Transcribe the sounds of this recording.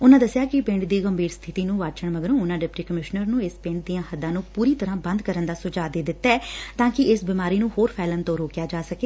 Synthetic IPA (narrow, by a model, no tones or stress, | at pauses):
ʊnãːd̪əsɪjaːkɪpɪ̃ɳɖd̪iːɡəmbʱiːɾst̪ʰɪt̪iːnũːʋaːt͡ʃəɳməɡəɾõːʊnãːɖɪpʈiːkəmɪʃnəɾnũːɪspɪ̃ɳɖ̚d̪ijãːhəd̪ːãːnũːpuːɾiːt̪əɾãːbə̃nd̪kəɾənd̪aːsʊd͡ʒaːd̪eːd̪ɪt̪ːɛːt̪ãːkɪʔɪsbimaːɾiːnũːhoːɾpʰɛːlənt̪õːɾoːkjaːd͡ʒaːsəkeː